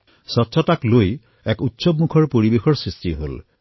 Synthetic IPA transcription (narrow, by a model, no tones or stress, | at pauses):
sɔtsʰɔtakloj | ɛkutːsɔbmukʰɔɹpoɹibexɔɹsɹistiɦo̰l